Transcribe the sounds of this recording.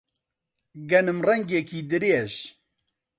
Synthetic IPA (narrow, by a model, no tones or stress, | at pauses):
ɡɛnɨmrɛŋɡekiːd̪ɨɾeːʒ